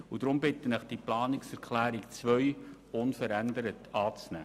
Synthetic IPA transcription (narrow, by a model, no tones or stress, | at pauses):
ud̥ɾʊmbɪtənɪχd̥iplɑːnɪksɛɾkʰlæːɾikt͡sʋœɥ | ʊnfəɾændəɾətɑːt͡snæ̰ː